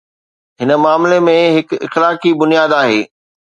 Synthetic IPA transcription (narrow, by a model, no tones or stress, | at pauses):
ɦɪnə̆maːmlemẽɦɪkɪ̰xlaːkibʊnijaːd̪aːɦeː